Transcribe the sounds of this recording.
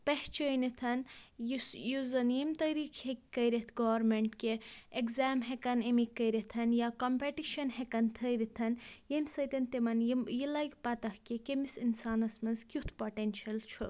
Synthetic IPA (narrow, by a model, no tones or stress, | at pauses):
peht͡ʃəjnit̪ʰɐnjisjuzɐnjimt̪ɐɾiːkʰhekʲːɐjɾet̪ʰɡoʋɐɾmeɳʈkeekzaːmɦekɐnimikːəjɾet̪ʰɐnjakompeʈiʃɐnhekɐnt̪ʰəjʋit̪ʰɐnjemʲsɐjt̪ɐnt̪imɐnjijilɐjkpɐt̪ɐhkekemisinsaːnɐsmɐzkʲut̪ʰpoʈenʃɐlt͡ʃʰu